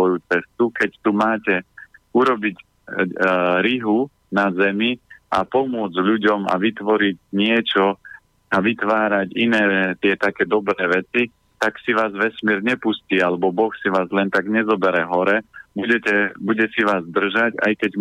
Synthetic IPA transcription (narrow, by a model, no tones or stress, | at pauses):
ɔjut͡sɛst̪ukɛct̪umaːcɛuɾɔbiɟ | ɾiɦu | nazɛmia̰pɔmʊɔd͡zʎuɟɔma̰ʋit̪ʋɔɾiɟɲɪɛt͡ʃɔ | aʋit̪ʋaːɾaɟinɛːt̪ɪɛt̪akɛːd̪ɔbɾɛːʋɛt͡si | t̪aksiʋaːzʋɛsmɪɛɾɲɛpusciːalɛbɔbɔxsiʋaːzlɛnt̪aɡɲɛzɔbɛɾɛɦɔɾɛbuɟɛcɛbuɟɛsiʋaːzd̪r̩ʒaca̰jkɛɟ